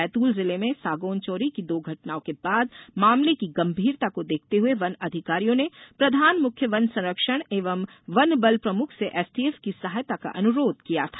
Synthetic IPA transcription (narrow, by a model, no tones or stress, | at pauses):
ɛːt̪uːlzɪlemẽsaːɡoːnt͡ʃɔːɾikid̪oːɡʱɐʈnaːõkebaːd̪maːmlekiɡɐ̃mbʱiːɾt̪akod̪eːk̚ʰt̪eɦueʋɐnɐd̪ʱɪkaːɾijõnepɾɐd̪ʱaːnmʊkʰjəʋɐnsɐ̃ɾəkʃəɽ̃eːʋəm | ʋɐnbəlpɾɐmʊkʰseʔɛːsʈiefkisɐɦaːjt̪aka̰ʔɐnʊɾoːd̪kijat̪ʰḁː